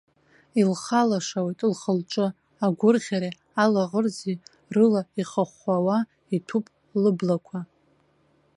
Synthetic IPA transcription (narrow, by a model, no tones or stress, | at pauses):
ilχalaʂawejtʼlχəlʈ͡ʂʼɨ | aɡʷʊrʁʲaɾe | alaʁərzi | rɨlaiχaχʷawa | itʰupʼ | lɨblakʷʰa